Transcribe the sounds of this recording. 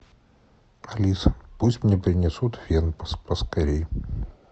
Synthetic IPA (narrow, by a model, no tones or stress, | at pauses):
ɐlʲisə̥pusʲtʲmnʲepɾʲɪnʲɪsut̪vʲenpəspəskɐɾʲej